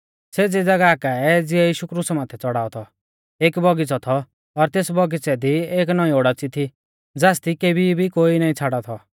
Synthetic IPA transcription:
sed͡zed͡zɐɡaːkaɛd͡zɪɛjiːʃukɾusmãːt̪ʰɛt͡sɔɽaːɔt̪ʰɔ | eːkbɔɡit͡sɔt̪ʰɔ | ɔɾt̪eːsbɔɡit͡sɛd̪ieːknɔĩoɽat͡sit̪ʰi | d͡zaːst̪ikebibʱikoːinaːĩt͡sʰaːɽat̪ʰɔ

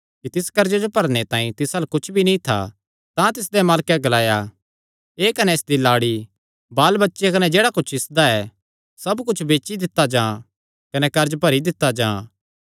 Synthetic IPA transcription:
kit̪ɪskɐɾd͡ʒed͡ʒopɐɾñet̪ãːĩt̪ɪsalkʊt͡ʃʰbʱinĩt̪ʰːa̰ | t̪ãt̪ɪsd̪emaːlkeɡɐlaːja | eːkɐnɛɪsd̪ilaːɽi | baːlbɐtːʃekɐnɛd͡ʒeːɽakʊt͡ʃʰɪsd̪aɛː | sɐbkʊt͡ʃʰbeːt͡ʃid̪ɪt̪ːad͡ʒãː | kɐnɛkɐɾd͡ʒpɐɾid̪ɪt̪ːad͡ʒã̰ː

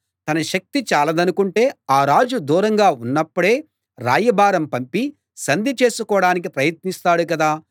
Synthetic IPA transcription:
t̪ɐnɐʃɐk̚t̪it͡ʃaːlɐd̪ɐnukuɳʈe̞ːaːɾaːd͡ʒud̪uːɾɐŋɡaːunːɐpːuɽe̞ː | ɾa̰ːjɐbaːɾɐmpɐmpi | sɐnd̪ʱit͡ʃe̞ːsukɔːɽaːnik̬ipɾɐjɐt̪̚nist̪aːɽukɐd̪aː

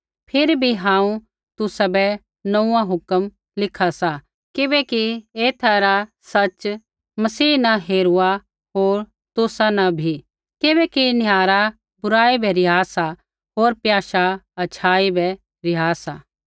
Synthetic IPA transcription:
pʰɪɾbʱiɦãːũ | t̪ʊsabɛ | nɐũːãɦʊkəm | lɪkʰasa | kɪbɛkieːt̪ʰaɾasɐt͡ʃ | mɐsiːnɐɦeːɾua | ɦoːɾ | t̪ʊsanɐbʱi | kɪβɛkinɪjaːɾa | bʊɾaːibɛɾɪɦaːsa | ɦoːɾpjaːʃaɐt͡ʃʰaːibɛ | ɾɪɦaːsaː

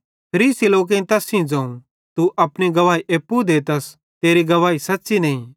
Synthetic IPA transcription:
pʰɐɾiːsiloːk̬ẽĩt̪ɐsĩd͡zɐ̃ːũ | t̪uʔɐpniɡɐʋaːiʔeːpːud̪eːt̪ɐs | t̪eːɾiɡɐʋaːisɐtːsinɐːĩ

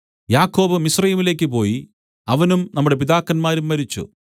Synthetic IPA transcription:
jaːkːo̞ːbɨmisrɐjːmile̞ːk̬ʲːɨpo̞ːji | ɐʋɐnumnɐmːuɽe̞piðaːkːɐnmaːɾumːɐɾit͡ɕːṵ

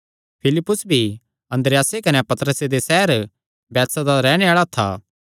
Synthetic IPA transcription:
pʰɪlɪpːʊsbʱi | ɐ̃nd̪ɾejaːsekɐnepɐt̪əɾəsed̪esɛɦəɾ | bɛːt̪sad̪aɾɛːɽ̃eaːɭat̪ʰa̰ː

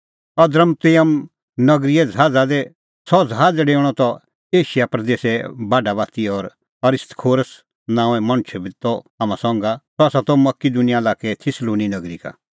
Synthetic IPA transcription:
ɐd̪ɾəmt̪ɪjəm | nɐɡɾiɛd͡zɦaːd͡zad̪ɛ | sɔd͡zɦaːd͡zɛɖeːɽ̃ɔt̪ɔ | eːʃɪjapɾɐd̪eːsɛbaːɖabaːt̪iɔɾ | ɐɾɪst̪kʰoːɾəs | nãːɛ̃mɐñt͡ʃʰɛbɪt̪ːɔaːmãsɔ̃ːŋɡat̪ɔasat̪ɔmɐkid̪ʊnɪjalaːkɛt̪ʰɪsluːninɐɡɾika̰

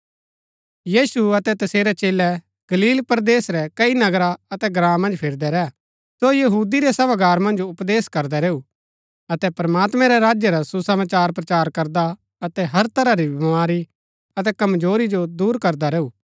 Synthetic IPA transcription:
jiːsuɐt̪ɛt̪ɐseːɾɛt͡ʃeːlɛ | ɡ̥ɐliːlpɾd̪eːsɾɛkɐinɐɡɾaɐt̪ɛɡɾãːmɐ̃nd͡ʒpʰɪɾd̪ɛɾɛ | sojɐɦuːd̪iɾɛsɐbaɡaːɾmɐ̃nd͡ʒʊpd̪eːskɐɾd̪ɛɾeːu | ɐt̪ɛpɾɐmaːt̪mɛ̃ɾɛɾaːd͡ʒjəɾasusɐmaːt͡ʃaːɾpɾɐt͡ʃaːɾkɐɾd̪a | ɐt̪ɛɦɐɾt̪ʰɐɾaɾibɪmaːɾi | ɐt̪ɛkɐmd͡ʒoːɾid͡ʒod̪uːɾkɐɾd̪aɾeːuː

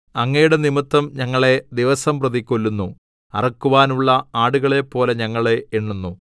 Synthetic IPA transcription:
ɐŋːejuɽenimɨt̪ːɐmɲɐŋːɐɭe̞d̪iʋɐsɐmprɐðikʲːolːunːu | ɐ̰rɐkːuʋaːnuɭːɐaːɽuɣɐɭe̞pːo̞ːle̞ɲɐŋːɐɭe̞iɳːunːu

